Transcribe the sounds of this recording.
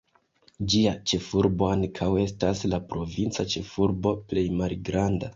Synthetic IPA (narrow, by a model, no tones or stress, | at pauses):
d͡ʒiat͡ʃe̞fuɾbo̞aŋkʰawe̞staslapɾo̞vint͡sat͡ʃe̞fuɾbo̞ple̞jmalɡɾanda